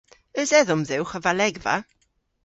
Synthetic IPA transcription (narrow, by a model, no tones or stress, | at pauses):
əzɛðʊmðɪwχəvalɛɡva̰